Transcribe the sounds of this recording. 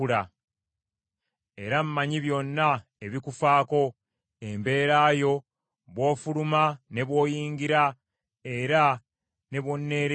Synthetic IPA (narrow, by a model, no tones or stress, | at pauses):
uɾa | e̞ɾam̩maɲiβjo̞nːa | eβikufaːko̞ | e̞mbe̞ːɾaːjo̞ | βwo̞ːfuɾumane̞βwo̞ːjiːŋɡiɾa | e̞ɾa | ne̞βwo̞nːe̞ːɾ